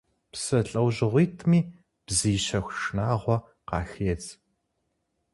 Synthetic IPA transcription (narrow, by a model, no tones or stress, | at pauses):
psɐɬʼɐwʑɪʁʷiːtʰmiː | b̥ziːɕɐxʷʂnaːʁʷɔ | qɑ̰ːxeːt͡sʼ